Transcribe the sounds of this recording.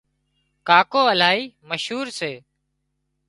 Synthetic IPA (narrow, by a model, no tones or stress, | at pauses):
kaːkoːəlaːiːməʃɦuːɾseː